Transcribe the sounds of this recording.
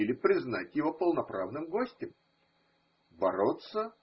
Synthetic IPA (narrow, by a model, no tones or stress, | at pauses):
ɪlʲɪpɾʲɪznatʲjɪvo̞pəlˠnɐpɾavnɨmɡo̞sʲtʲɪm | bɐɾo̞t̪sə